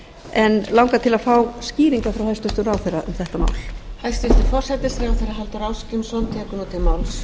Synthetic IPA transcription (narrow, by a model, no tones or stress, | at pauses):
ɛnlawŋkat̪ʰɪlaðfaːwsciːɾiŋkafɾawhajst̪ʏst̪ʏɾawθɛjrːaʔʏ̰mθɛht̪ama̰ːwlhajst̪ɪst̪ɪ̥fɔr̥sɛt̪ɪsθɾawθɛjɾaɦɛlt̪ʏɾaːwskcɪnsɔnt̪ʰɛːkʏnɔt̪ʰɪmawls